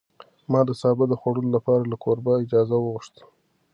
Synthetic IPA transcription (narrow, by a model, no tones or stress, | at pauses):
mɑd̪əsɑbɪd̪əxwaɽəlolapɑɾalakʰoɾbaɪd͡ʒɑzawəɣʊʂt̪ə̥